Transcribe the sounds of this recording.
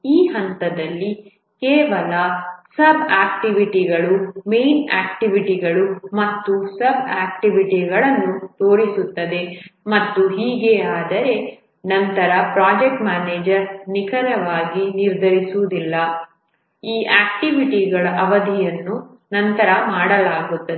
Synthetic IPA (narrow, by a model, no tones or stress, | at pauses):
iːɦɐnt̪ɐd̪ɐlːi | kɛːʋɐlɐsɐbaːkʈiʋiʈiɡɐɭume̞jna̰ːk̚ʈiʋiʈiɡɐɭumɐt̪ːusɐbaːk̚ʈiʋiʈiɡɐɭɐnːut̪oːɾisut̪ːɐd̪e̞mɐt̪ːuɦiːɡeaːd̪ɐɾe̞ | nɐnt̪ɐɾɐpɾaːd͡ʒek̚ʈmaːneːd͡ʒɐɾnikʰɐɾɐʋaːɡiniɾd̪ʱɐɾisud̪ilːɐ | iːʔaːk̚ʈiʋiʈiɡɐɭɐʔɐʋɐd̪ʱijɐnːu | nɐnt̪ɐɾɐmaːɽɐlaːɡut̪ːɐd̪e